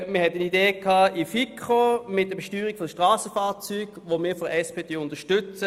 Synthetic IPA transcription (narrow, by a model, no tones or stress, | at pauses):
məhɛtənideːkʰːɑːifikʰχomɪt̚dəbeʃtyːʁikfodəʃtʁɑːsəfaːʁt͡syːɡ̥ʋomɪːfɔdɛspʰeːdeːʊntəʃtʏt͡sə